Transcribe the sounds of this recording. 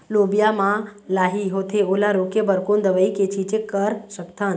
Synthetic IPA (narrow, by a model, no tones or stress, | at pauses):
lobjamãlaːɦiɦot̪ʰeolaɾokebəɾkond̪əʋəiket͡ʃʰit͡ʃekəɾʃəkt̪ʰan